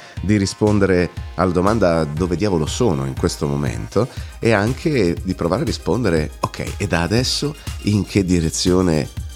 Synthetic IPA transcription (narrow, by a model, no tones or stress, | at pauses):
d̪irispond̪eɾealːad̪omand̪ad̪oːved̪jaːvolosoːno̰iŋkwest̪omomḛnt̪oeaŋkʰed̪ipɾovaːɾearːispond̪eɾeokʰːɛ̰jed̪aːd̪ɛsːoiŋkʰed̪iɾet̪sːjoːnḛ